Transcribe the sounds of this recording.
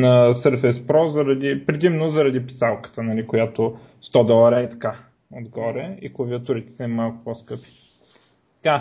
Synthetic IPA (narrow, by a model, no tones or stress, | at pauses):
nɐsəɾfɛspɾɔzɐɾɐd̪ipɾɛd̪imnozɐɾɐd̪ipi̥salˠkə̥t̪ənɐlikojat̪o | st̪ɔd̪ɔlˠɐɾəit̪ɐ̥ka | od̪ɡɔɾɛḭklˠɐviət̪oɾit̪ɛ̥sɛmːalˠkʊ̥poskɤpi̥ | t̪ɐka